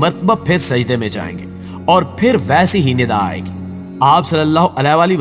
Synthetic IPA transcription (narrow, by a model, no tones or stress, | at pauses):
mɐɾt̪əbapʰɪɾsɐd͡ʒd̪emẽd͡ʒa̰ːḛ̃ːŋɡeː | ɔːɾpʰɪɾʋɛːsiɦinɪd̪a̰a̰ːḛːɡiː | aːpsɐləlːaːɦoʔɐlaʋaːliʋ